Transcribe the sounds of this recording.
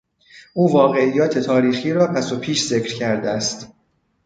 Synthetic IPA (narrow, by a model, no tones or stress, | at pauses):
ʔuːvɒːɣe̞ijːɒːt̪ʰe̞t̪ʰɒːɾiːxiːɾɒːpʰæso̞pʰiːʃz̥e̞cʰɾcʰæɾd̪eæst̪